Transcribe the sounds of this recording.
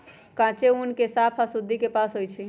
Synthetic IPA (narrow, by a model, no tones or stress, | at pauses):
kãt͡ʃeunkesapʰasud̪ʱːikepasɦojt͡ʃʰi